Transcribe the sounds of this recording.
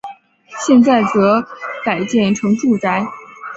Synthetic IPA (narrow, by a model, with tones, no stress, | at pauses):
ɕjɛ˥˧nt͡sa˥˩ɪt͡sɤ˧˥ka˨˩ɪt͡ɕjɛ˥˩nʈ͡ʂʰɤ˧˥ŋʈ͡ʂu˥˩t͡sa˧˥ɪ